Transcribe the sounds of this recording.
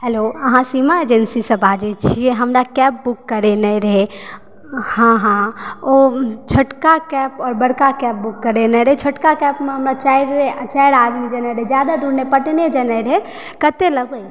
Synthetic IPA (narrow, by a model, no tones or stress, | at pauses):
ɦɛloəɦãsimaed͡ʒənsisəbad͡ʒɛt͡ʃʰieɦəmɾakɛp̚bukːəɾenəɾəɦe | hãɦãot͡ʃʰoʈkakɛpɔːɾbəɽkakɛp̚bukːəɾenəɾɦet͡ʃʰoʈkakɛpmẽɦəmɾat͡ʃajɾt͡ʃajɾad̪mid͡ʒənəɾəɦed͡ʒjad̪ad̪uɾnepəʈned͡ʒənəɾəɦe | kət̪eləɡʱəj